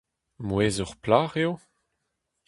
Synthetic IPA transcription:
mweːzɔʁplaːʁjo

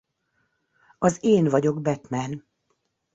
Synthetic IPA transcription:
ɒzeːnvɒɟo̞ɡbɛt̪mɛn

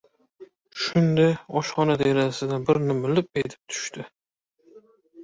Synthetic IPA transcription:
ʃʊnd̪aɒʃχɒnad̪eɾasɪd̪anbɪɾnɪmɪlɪp̚et̪ʰɪ̥p̚t̪ʰʊ̥ʃt̪ɪ

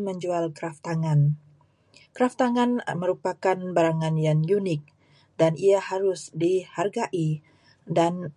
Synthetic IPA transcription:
məɲd͡ʒualkɾaft̪aŋan | kɾaft̪aŋanməɾupakanbaɾaŋanjaŋjunɪk̚ | daniahaɾʊsdiharɡaʔi | dan

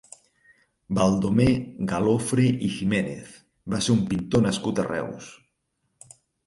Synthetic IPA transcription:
balˠd̪omeɡalofɾeʔiximenḛθ | baseɾumpint̪onaskut̪a̰rɛ̰ws

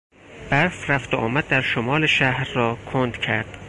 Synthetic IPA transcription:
b̥æɾfɾæft̪oʔɒ̰ːmæd̪̚ːæɾʃomɒːleʃæhɾːɒːkʰond̪̥cʰæɾd̪̥

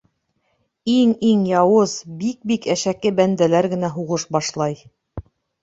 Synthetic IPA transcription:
iŋiŋjɑwɤzbik̚bikæʃækːɘbænd̪ælæɾɡɘ̆næɦuʁɤʃbɑʃlˠɑj

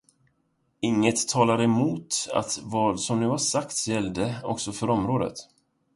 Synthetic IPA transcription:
ɪŋːət̪ʰːɑːlaɾɛmuːt̪a̰t̪vɑːd̪sɔmnʉ̟ːhaʂakt̪sjɛld̪əɔ̰ksɔfœɾɔmɾoːd̪ə̰t̪

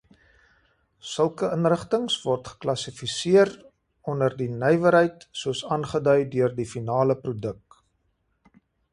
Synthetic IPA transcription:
səlˠkəənrəχtəŋsvɔrtχə̥klɐsifisiər | ɔnərdinœjvəɾɦəjtsuəsɑːnχədœɥdøərdifinɑːləprudək̚

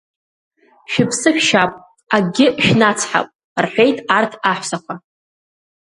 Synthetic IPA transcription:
ʃᶣɪpʰsɨħʃapʼ | aɡʲɪʃᶣnat͡sʰħa̰pʼ | rħʷejtʼartʰaħʷsakʷʰa

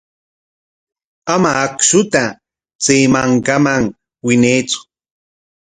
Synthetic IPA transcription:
amaːkʃʊt̪a | t͡sejmaŋkamaŋ | wɪnejt͡sʊ̥

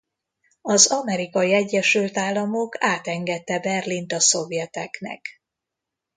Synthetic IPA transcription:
ɒzɒmɛɾikɒjiɛɟːɛʃylt̪aːlːɒmokʰaːt̪ɛŋɡɛt̪ːɛbɛrlint̪ɒso̞vjɛt̪ɛknɛ̰k

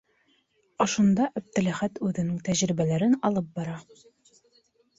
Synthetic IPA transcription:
ŏʃund̪ɑʔæb̚t̪ɘ̆læχæt̪ʉðɘ̆nɘŋt̪æʑɾibælæɾɘnɒlˠɤp̚bɒɾɑ

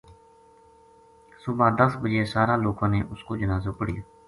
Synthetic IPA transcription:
sʊbãːd̪əsbəd͡ʒeːsaːɾãːloːkãːnḛːʔʊskoːd͡ʒənaːzoːpəɽɪ̰jaː

